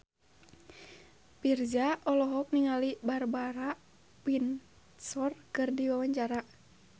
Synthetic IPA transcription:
pird͡ʒaʔɔlɔɦɔk̚niŋalibarbaɾa | pin | sɔrkɨrdiwawaɲt͡ʃaɾa

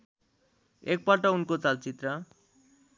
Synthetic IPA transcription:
ek̚paʈʌunkot͡salt͡sit̪rʌ

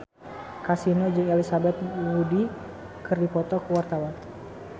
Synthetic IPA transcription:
kasinod͡ʒɨŋalisabat̪̚wudi | kɨrdipɔt̪ɔkəwart̪awan

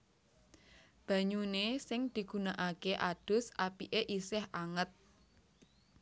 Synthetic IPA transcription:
b̥ä̤ɲunesɪŋd̪̥i̤ɡ̥ṳnaʔakeʔad̥ʊ̤sapiʔeʔisɪhaŋət̪̚

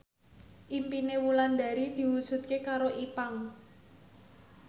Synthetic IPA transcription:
ʔimpinewuland̪a̤ɾid̪̥i̤wud̥ʒ̥ṳt̪̚kekaɾoʔipaŋ

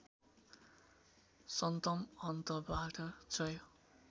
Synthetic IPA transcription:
sʌnt̪ʌmʌnt̪ʌbaʈʌd͡zʌjo

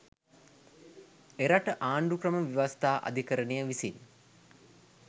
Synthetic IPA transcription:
eɾaʈəʔaːɳɖukrəməʋiʋast̪aːʔa̰d̪ʱikəɾənejəʋisin

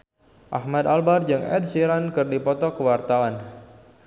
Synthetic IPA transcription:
ʔahmad̪albard͡ʒɨŋɛ̰d̪̚siɾankɨrdipɔt̪ɔkəwart̪awan

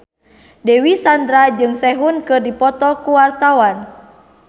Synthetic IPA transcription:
dɛwisand̪ɾad͡ʒɨŋsɛɦunkɨrdipɔt̪ɔkuwart̪awan

